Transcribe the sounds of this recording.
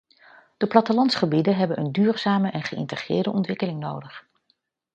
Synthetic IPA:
d̥əplɑtəlɑntsχəbidəɦɛbənʔəndyːrzaːməʔɛnχəɪ̰ntəχrɪ̰ːɹdəʔɔntʋɪkəlɪŋnowdəχ

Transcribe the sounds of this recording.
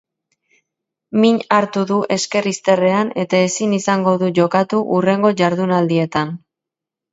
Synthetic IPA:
miɲaɾt̪uðuʔe̞ske̞rist̪e̞re̞ane̞t̪ae̞sinisaŋɡo̞ðuʝo̞kat̪uʔure̞ŋɡo̞ʝaɾðunald̪ie̞t̪an

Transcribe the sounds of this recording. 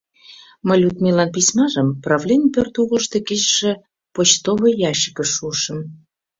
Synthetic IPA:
məlʲut̪milɑnp̬isʲmɑʒəmprɑvlʲenʲpørt̪uɣəʃt̪e̽ket͡ɕʃĕ | pot͡ɕt̪oβəjɑʃə̥kə̆ʃuʃə̆m

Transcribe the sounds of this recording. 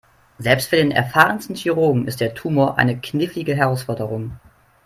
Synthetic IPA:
zɛlpstfyːɐdeːnʔɛ̰ɐfaːʁənstn̩çyʁoːɡŋ̩ɪ̰st̚d̥eːɐtʰuːmoːɐʔa̰ɪnəkʰnɪflɪɡəɦɛʁaʊsfɔɐdəʁʊŋ

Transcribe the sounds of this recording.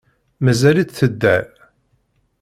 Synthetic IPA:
mæzælit͡sθəd̪ːæl

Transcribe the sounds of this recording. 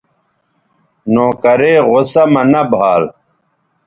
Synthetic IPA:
noːkɐɾeːʁosɐmɐnɐbʱaːl

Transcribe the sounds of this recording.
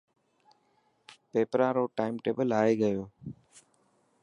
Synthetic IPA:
peːpɾãːɾoːʈaːɪmʈeːbəlaːeːɡəjoː

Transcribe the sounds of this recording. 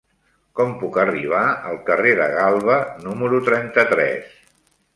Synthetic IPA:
kɔmpukəriβ̞aə̰lˠkəreðə̰ɣalˠβənuməɾut̪ɾɛnt̪ət̪ɾɛ̰s

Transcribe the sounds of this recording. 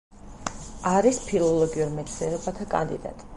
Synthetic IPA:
aɾispʰilˠɔlˠɔɡiuɾmɛt̪sʰɛɾɔbat̪ʰakʼa̰nd̪ḭd̪a̰t̪ʼi

